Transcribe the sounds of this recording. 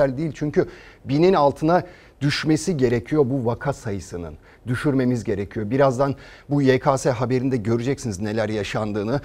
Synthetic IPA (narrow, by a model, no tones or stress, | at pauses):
ælʲd̪iilʲt͡ʃʰyɲcybininalˠt̪ʰɯna | d̪̥yʃme̞siɟe̞ɾecʰijo̞buvakʰasajɯsɯnɯ̰n | d̪yʃyɾme̞mizɟe̞ɾecʰijo̞biɾazd̪an | bujekʰaːsɛɦabe̞ɾind̪ɛɟø̞ɾyd͡ʒɛcsinizne̞lʲæɾjaʃand̪ɯːnɯ